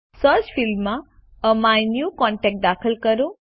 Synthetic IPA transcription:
səɾt͡ʃfilmːã | əmajnjukɔɳʈɛk̚ʈ̚d̪akʰəlkəɾõ

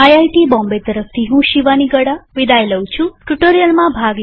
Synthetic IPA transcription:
ajajʈibɔ̃mbet̪əɾəft̪ʰiɦũʃiʋaniɡəɽaʋid̪ajləw̃t͡ʃʰũʈuʈəɾijəlmãbʱaɡ

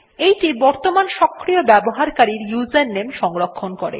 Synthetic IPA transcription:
ejʈibɔɾt̪omanʃɔkʰːɾiobɛboɦaɾkaɾiɾjuzenːemʃɔŋɾokʰːonkoɾḛ

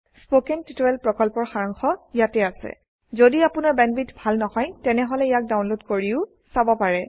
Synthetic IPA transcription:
spokɛntitoɹɛlpɹɔkɔlpɔɹxaɹɔŋxɔijatɛasɛ̰ | zodiapʊnaɹbɛnbitbʱalnɔhɔjtɛnɛɦɔlɛijak̚dawnlodkoɹiʊ | sabɔpaɹɛ

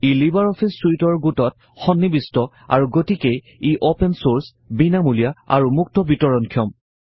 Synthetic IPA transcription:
ilibaɹɔpʰisuitɔɹɡutɔt̚ | xɔnːibistɔ | a̰ɹuɡotikej | iʔopensoɹs | binamulijaa̰ɹumuk̚tɔbitɔɹɔnkʰijɔm

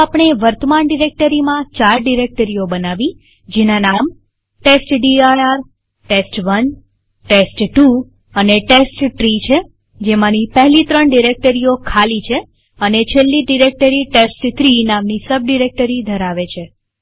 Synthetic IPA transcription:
apɳ̃eʋəɾt̪əmaɳɖiɾek̚ʈəɾimãt͡ʃaɾɖiɾek̚ʈəɾijobənaʋi | d͡ʒenanam | ʈesʈɖiaaɾ | ʈesʈʋən | ʈesʈʈu | əneʈesʈʈɾit͡ʃʰe | d͡ʒemãnipəɦlit̪ɾəɳɖiɾek̚ʈəɾiokʰalit͡ʃʰe | ənet͡ʃʰelːiɖiɾek̚ʈəɾiʈesʈt̪ʰɾinamnisəb̚ɖiɾek̚ʈəɾid̪ʱəɾaʋet͡ʃʰe

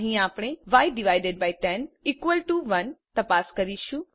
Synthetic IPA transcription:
ɦĩaːpɽ̃eʋaːɪʈɖɪʋaːɪɖeɖ̚baːɪʈɛ̃niːkʋəlʈuʋɐnt̪ɐpaːskɐɾiʃũ

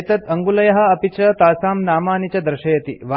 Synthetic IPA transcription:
t̪ɐt̪ɐŋɡulɐjɐɦɐ̆ɐpit͡ʃɐt̪aːsaːmnaːmaːnit͡ɕɐd̪ɾʃɐjɐt̪ḭʋa

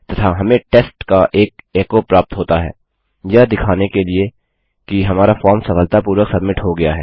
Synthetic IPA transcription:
t̪ɐt̪ʰaɦɐmẽʈeːsʈkaʔeːk̚eːkopɾaːp̚t̪ɦoːt̪aɦɛ̰ː | jɐd̪ɪkʰaːnekelie | kiɦɐmaːɾafɔːɾmsɐfəlt̪apuːɾwəksɐbmɪʈɦoɡɐjaɦɛː

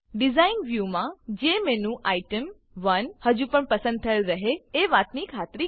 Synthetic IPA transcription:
ɖizainʋjumãd͡ʒemenũʔaiʈəm | ʋənhəd͡ʒũpəɳpəsə̃nd̪̚t̪ʰəlɾəɦeeʋat̪nikʰat̪ɾi

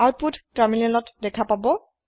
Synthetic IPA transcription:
at̚putʰtaɹminɛlɔtdɛkʰapabɔ

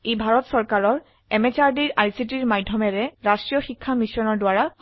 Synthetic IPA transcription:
ejbʱaɹɔtsɔɹkaɹɔɹ | ɛmɛt͡ʃaɹdiɹajsitiɹmajdʱːɔmɛɹɛɹastɹijɔxikʰːamisɔnɔɹdʊwaɹa

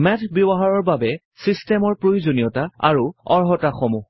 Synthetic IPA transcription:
mɛtʰbjobɔɦaɹɔɹbabɛ | sistɛmɔɹpɹojuzonijɔtaa̰ɹuɔɹɦɔtaxɔmu

